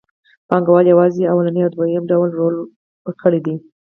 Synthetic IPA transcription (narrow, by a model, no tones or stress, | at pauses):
pɑŋɡawɑljawɑzeawalanijawd̪wajəmɖawlɾol | kəɽid̪i